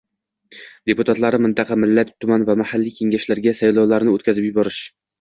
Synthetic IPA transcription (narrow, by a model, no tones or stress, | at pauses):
d̪̥e̞pʊt̪ʰat̪laɾɪmɪnt̪ɑqʰɑmɪlːat̪ʰːʊmanvamahalːikʲʰe̞ŋɡʲaʃlaɾɡʲasajlˠɒwlaɾnɪot̪̚ʲkʰʲazɪpjʊbɒɾɪʃ